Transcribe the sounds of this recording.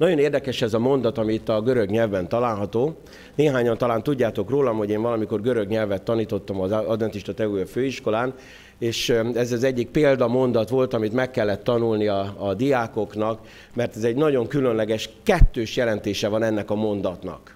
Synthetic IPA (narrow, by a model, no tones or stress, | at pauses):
nɒɟo̞neːrd̪ɛkɛʃɛzɒmo̞nd̪ɒt̪ɒmiːt̪ːɒɡøɾøɡɲɛlvbɛnt̪ɒlaːlɦɒt̪oː | neːɦaːɲɒnt̪ɒlaːnt̪uɟːaːt̪o̞kroːlɒmho̞ɟeːnvɒlɒmiko̞rɡø̞ɾø̞ɡɲɛlvɛt̪ːɒniːt̪o̞t̪ːɒmɒzɒd̪vɛnt̪iʃt̪ɒt̪ɛujɒføːiʃko̞laːn | eːʃɛzɛzɛɟːik̚peːld̪ɒmo̞nd̪ɒt̪ʋo̞lt̪ɒmit̪mɛkːɛlːɛt̪ːɒnulniɒːd̪ijaːko̞knɒk | mɛrt̪ɛzɛɟnɒɟo̞ŋkylønlɛɡɛʃkɛt̪ːøːʃjɛlɛnt̪eːʃɛvɒnɛnːɛkɒmo̞nd̪ɒt̪nɒ̰k